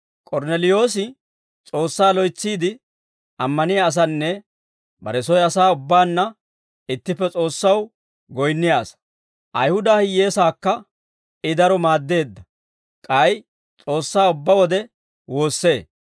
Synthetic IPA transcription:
kʼɔɾnɛlɪjo̞ːs̬ɪ | t͡sʼo̞ːsːaːlɔjt͡sːiːd̪ɪ | ʔɐmːɐnɪjaːs̬ɐnːɛ | bɐ̰ɾɛsɔjɐsaːʊbːaːnːɐ | ɪt̪ːɪpːɛt͡sʼo̞ːsːɐw | ɡɔjnːɪjaːsɐ̥ | ʔɐjhʊd̪aːhɪje̞ːsaːkːɐ | ɪd̪ɐɾɔmaːd̪ːe̞ːd̪ːɐ | kʼɐj | t͡sʼo̞ːsːaːʊbːɐwɔd̪ɛ | wo̞ːsːe̞ː

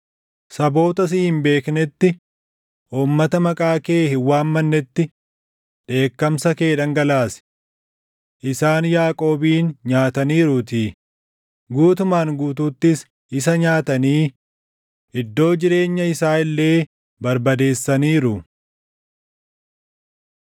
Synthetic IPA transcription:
sɐbo̞ːt̪ɐs̬ɪhɪmbe̞ːknɛt̪ːɪ | ʔuːmːɐt̪ɐmɐkʼaːkeːhɪwːaːmːɐnːɛt̪ːɪ | ᶑe̞ːkːɐmsɐke̞ːᶑɐŋɡɐlaːsɪ̥ | ʔɪsaːnjaːkʼo̞ːbiːnɲaːt̪ɐniːɾʊt̪i | ɡuːt̪ʊmaːŋɡuːt̪uːt̪ːɪs | ɪs̬ɐɲaːt̪ɐniː | ɪd̪ːo̞ːd͡ʒɪɾe̞ːɲːɐɪsaːɪlːe̞ː | bɐɾbɐd̪e̞ːsːɐniːɾʊ

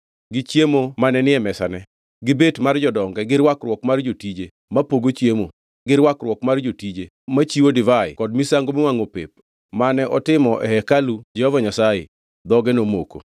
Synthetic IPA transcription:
ɡɪt͡ʃjemomanɛnɪɛmɛsanɛ | ɡɪbetmard͡ʒɔdɔŋɡɛɡɪɾwakrwɔkmard͡ʒotid͡ʒe | mapoɡot͡ʃjemo | ɡɪɾwakrwɔkmard͡ʒotid͡ʒe | mat͡ʃiwodɪvaɪ̰kɔd̚misaŋɡomɪwaŋopḛp̚ | manɛʔɔtɪmɔʔɛ̰hɛkalud͡ʒɛhɔvaɲasaje | d̪ɔɡɛnomoko̰

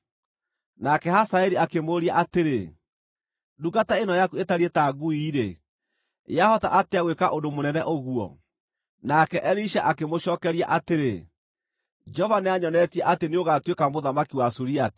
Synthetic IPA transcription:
nakɛhasaɛɾiakemoɾiaʔateɾe | duɣataenɔjakuetaɾiɛtaɡuiɾe | ḛahɔta̰ʔateaɣwekaʔondomonɛnɛʔoɣuɔ̰ | nakɛʔɛliʃaʔakemoʃɔːkɛɾia̰ʔateɾe | d͡ʒɔvaneaɲɔnɛtiɛʔateneoɣatwekamoðamakiwasuɾiat

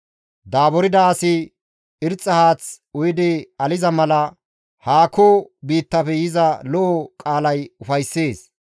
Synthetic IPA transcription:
d̪aːbɔɾɪd̪ɐːsɪ | ɪɾt͡sʼːɐhaːt͡s | ʊjɪd̪ɪɐlɪzɐmɐlɐ | haːkoːbiːt̪ːɐfɛjɪzɐlɔʔːkʼaːlɐjʊfɐjsːe̞ːs

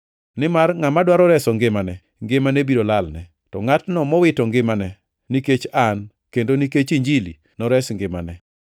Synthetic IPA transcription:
nɪmarŋamadwaɾɔɾɛsɔŋɡɪmanɛ | ŋɡɪmanebiɾolalnɛ | tɔŋatnɔmɔwɪtɔŋɡɪmanɛ | niket͡ʃan | kendoniket͡ʃiɲd͡ʒilḭ | nɔɾɛsŋɡɪma̰nɛ

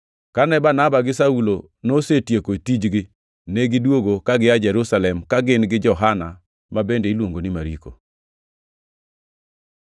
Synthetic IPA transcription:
kanɛbanabaɡɪsaulo | nosetjekotid͡ʒɡɪ | neɡɪdwoɡokaɡɪad͡ʒɛɾusalɛmkaɡɪnɡɪd͡ʒɔɦana | mabendeilwoŋɡonɪmaɾiko̰

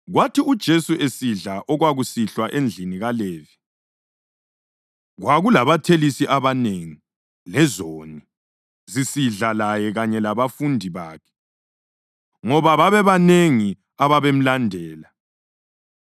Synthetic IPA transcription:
ɣwatʰiud̥ʒ̥ʱesuesiɮaʔɔɣwaɣusiɬwaʔend͡ɮʱiniɣaleːvi | ɣwaɣulaβatʰelisiʔaβaneŋi | lɛzoːni | zisiɮalajɛɣaɲɛlaβafundʱiβaːkʰɛ̥ | ŋɔβaβaβɛβaneŋi | aβaβem̩landʱɛːla

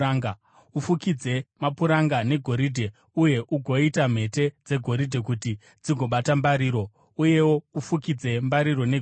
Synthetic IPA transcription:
aŋɡa | ufukid͡ze̞mapuɾaŋɡane̞ɡʱo̞ɾidʱe̞ | uje̞ʔuɡʱo̞itam̤e̞te̞d͡ze̞ɡʱo̞ɾidʱe̞k̬uti | d͡ziɡʱo̞ɓatambaɾiːɾo̞ | uje̞wo̞ufukid͡ze̞mbaɾiɾo̞ne

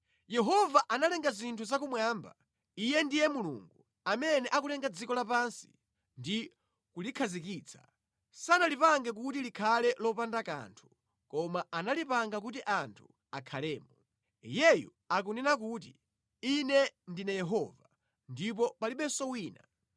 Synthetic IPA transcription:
jɛɦɔvaʔanalɛŋɡazintʰuzakumwaːmba̰ | ijɛndijɛmulṵŋɡu | amɛnɛʔakulɛŋɡad͡zikɔlapansi̥̰ | ndi | kulikʰazik̬iːt͡sʰḁ | sanalipaŋɡɛk̬utilikʰalɛlɔpandaka̰ntʰu̥ | kɔmaanalipaŋɡak̬utiʔantʰu̥ | akʰalɛːmɔ | jɛjṵ | ak̬unɛnak̬uːt̬i | inɛndinɛjɛɦɔva | ndip̬ɔpaliɓɛsɔwiːna

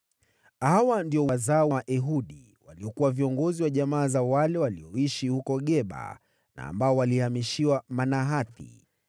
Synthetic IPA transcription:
hawandiɔwazawaʔɛɦuɗi | waliɔkuwaviɔŋɡɔziwaʄamaːzawalɛwaliɔiʃihukɔɠɛɓa̰ | na̰ːmbaɔwalihamiʃiwamanaɦaθḭ

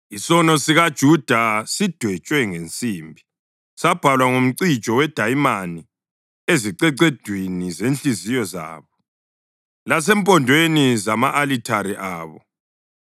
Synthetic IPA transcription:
isɔnɔsiɣad̥ʒ̥ʱud̥ʱasid̥ʱwɛt͡ʃʼwɛŋent͡sʼiːmbʱi | sab̥ʱalwaŋom̩ǀi̥t͡ʃʼɔwɛd̥ʱajmani | eziǀɛǀed̥ʱwinizenɬizijɔza̰ːβɔ | las̬ɛmpʼɔndʱwenizamaʔalitʰaɾiʔaːβɔ

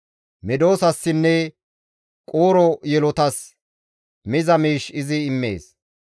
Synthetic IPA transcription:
mɛd̪o̞ːsɐsːɪnːɛ | kʼoːɾɔjɛlɔt̪ɐs | mɪzɐmiːʃɪzɪːmːḛːs

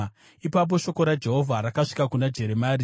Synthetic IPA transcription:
ipap̬o̞ʃo̞ko̞ɾad͡ʒe̞ɦo̞vʱaɾakaʂi̥kakunad͡ʒe̞ɾe̞maːri

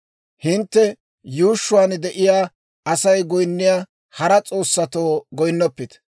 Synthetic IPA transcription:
hɪnt̪ːɛ | juːʃːʊwaːnd̪ɛʔɪjaː | ɐsɐjɡɔjnːɪjaː | hɐɾɐt͡sʼo̞ːsːɐt̪oːɡɔjnːɔpːɪt̪

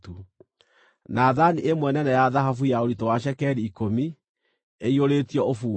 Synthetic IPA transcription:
tu | naðaniemwɛnɛnɛjaðaɦafujaoɾitowaʃ̬ɛkɛɾiːkomi | eioɾetiɔofuː

